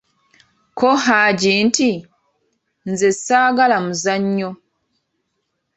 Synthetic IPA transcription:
koɦaɟiːnti | nzesaːɡalamuzaɲːo

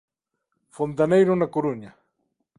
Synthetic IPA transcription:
font̪̬anajɾʊnakʊɾuɲa

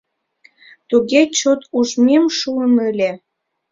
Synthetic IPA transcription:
t̪uɣet͡ɕot̪uʒmemʃuənəlʲe

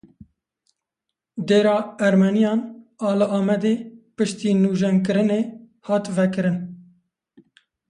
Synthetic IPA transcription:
d̪eːɾɑːɛɾmɛnijɑːnɑːlɨʔɑːmɛd̪eːpɨʃt̪iːnuːʒɛŋkɨɾɨneː | hɑːt̪vɛkɨɾɨn

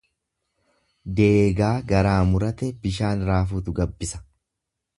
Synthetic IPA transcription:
d̪eːɡaːɡɐɾaːmʊɾɐt̪ɛbɪʃ̬aːnɾaːfuːt̪ʊɡɐbːɪsɐ̥

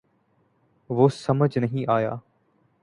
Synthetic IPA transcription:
ʋoːsɐməd͡ʑnɐɦĩʔaːja̰ː

